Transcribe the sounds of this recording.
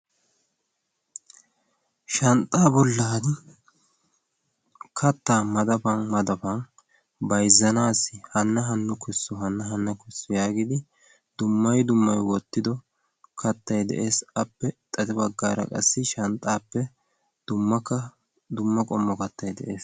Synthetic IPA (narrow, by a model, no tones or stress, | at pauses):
ʃɐnt̪ʼːaːbɔlːaːd̪ɪ | kʰɐt̪ːaːmɐd̪ɐfɐnmɐd̪ɐfɐn | bɐjzːɐnaːsɪhɐnːɐɦɐnːʊkʊsːɔɦɐnːɐɦɐnːɐkʊsːʊjaːɡɪd̪ɪ | d̪ʊmːɐjd̪ʊmːɐjwɔt̪ːɪd̪ɔ | kʰɐt̪ːɐjd̪ɛ̰ʔe̞ːsɐpːɛt̪ʼɐt̪ɛbɐɡːaːɾɐ̰kʼɐ̰sːɪʃɐnt̪ʼːaːpːɛ | d̪̥ʊmːɐkːɐ | d̪ʊmːɐkʼɔmːɔkɐt̪ːɐjd̪ɛʔe̞ːs